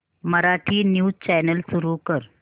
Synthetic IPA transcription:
məɾaʈʰiːnjuːt͡ɕɛnəlsuɾukəɾ

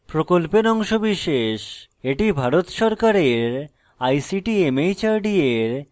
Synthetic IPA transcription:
pɾokolpeɾɔŋʃobiʃeʃ | eʈibʱaɾot̪ʃɔɾkaɾeɾ | ajsiʈiemejt͡ɕaɾɖieɾ

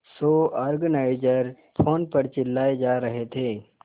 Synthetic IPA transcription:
soːɐɾɡənaːɪd͡ʒəɾ | pʰoːnpəɾt͡ʃɪlːaːed͡ʒaːɾɐɦet̪ʰeː

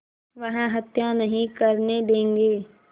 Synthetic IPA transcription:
ʋɐɦə̃ɦɐt̪janɐɦĩkɐɾned̪ẽːŋɡeː

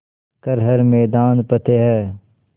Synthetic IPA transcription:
kəɾɦəɾmɛːd̪aːnpət̪ʰeːɦɛː

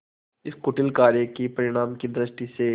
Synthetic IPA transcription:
ɪskʊʈɪlkaːɾjəkipɐɾɪɽ̃aːmkid̪ɾɪʃʈise

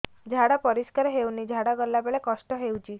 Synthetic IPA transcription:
d͡ʒʱaɽapɔɾiskaɾɦewnid͡ʒʱaɽaɡɔlːabeɭekɔsʈɔɦewt͡ʃʰi

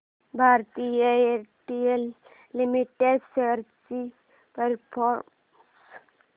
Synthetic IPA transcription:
bʱaɾt̪ijəeʈijelː | imiʈeɖseɾt͡ʃi | pəɾpʰɔɾm | s

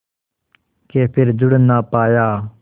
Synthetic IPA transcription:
keːpʰɪɾd͡ʒʊɽənːaːpaːjaː

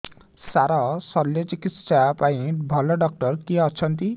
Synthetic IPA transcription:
saɾɔsɔljɔt͡ʃikit̪ʃapaĩbʱɔlɔɖɔk̚ʈɔɾkiɔt͡ʃʰɔnt̪i

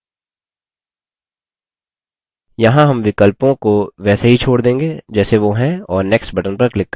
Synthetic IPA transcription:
jɐɦãɦɐmʋɪkəlpõkoʋɛːseɦit͡ʃʰoːɽd̪ẽːŋɡeːd͡ʒɛːseʋoɦɛ̃ɔːɾnɛːksʈbɐʈənpɐɾklɪkː

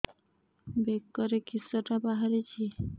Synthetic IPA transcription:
bekːɔɾekisɔʈabaɦaɾet͡ɕʰi

